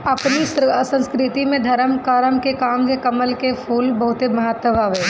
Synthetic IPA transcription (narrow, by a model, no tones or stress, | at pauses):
ɐpnissə̃nskɾɪt̪imẽd̪ʱɐɾəmkaːɾəmkekaːmkekɐməlkepʰuːlbɐɦʊt̪emɐɦət̪wəbʱaːʋeː